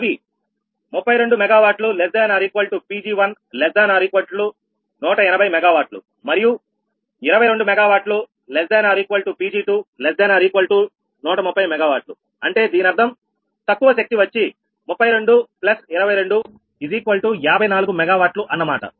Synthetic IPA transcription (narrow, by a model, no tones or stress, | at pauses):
ɐbi | mupːɐjɾe̞ɳɖumɛɡaːʋaːʈlulesd̪ɐjnɐɾiːkʋɐlʈupiːd͡ʒiːʋɐn | lɛsd̪ɐːjnaɾiːkʋɐlʈlu | nɔːʈɐinɐbʱɐjmɛɡaːʋaːɾʈlṵ | mɐɾiju | iɾɐʋɐjɾe̞ɳɖumɛɡaːʋaːʈlu | lɛsd̪ɐjnaɾiːkʋɐlʈupiːd͡ʒiːʈuːlesd̪ɐjnaɾiːkʋɐlʈu | nɔːʈɐmupːɐjmɛɡaːʋaːʈlṵ | ɐɳʈe̞ːd̪iːnɐɾd̪ʰʱɐm | t̪ɐkːuʋɐʃɐk̚t̪iʋɐt͡ʃːi | mupːɐjɾe̞ɳɖuplɐsiɾɐbɐjɾe̞ɳɖu | iziːkʋɐlʈujaːbʱɐjnaːluɡumɛɡaːʋaːʈluʔɐnːɐmaːʈɐ̰